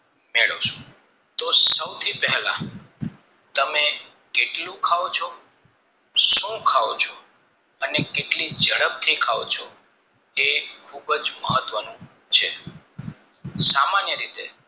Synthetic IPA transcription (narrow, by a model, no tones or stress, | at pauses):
meɭo̰t͡ʃʰũ̥ | t̪osəwt̪ʰipɛɦlã̰ | t̪əme | keʈlũkʰaʋot͡ʃʰo | ʃũkʰaʋo̰t͡ʃʰo | ənekeʈlid͡ʒəɽəb̚t̪ʰikʰaʋo̰t͡ʃʰo̰ | ekʰubd͡ʒməɦət̪ʋənũ | t͡ʃʰe | samanjəɾit̪ḛ